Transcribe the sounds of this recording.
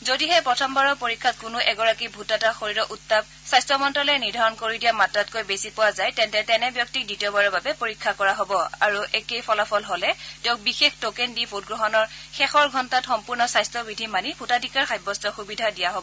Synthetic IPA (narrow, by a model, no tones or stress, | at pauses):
zodiɦɛpɹɔtʰɔmbaɹɔpoɹikʰːatkʊnʊʔɛɡɔɹakibʱutataxoɹiɹɔʔutːab̚ | sajstɹɔmɔntɔlɛniɹdʱaɹɔnkoɹidijamatɹatkojbesipʊwazajtɛntɛtɛnɛbjɔk̚tik̚ditiɔbaɹɔɹbabɛpoɹikʰːakɔɹaɦobɔa̰ɹuʔɛkejpʰɔlapʰɔlɦolɛtɛʊ̃k̚bixextokendipʰot̚ɡɹɔɦɔnɔɹxɛxɔɹɡʱɔntatxɔmpuɹnɔsajstɹɔbidʱimanibʱutadʱikaɹxajbɔstɔxubidʱadijaɦobɔ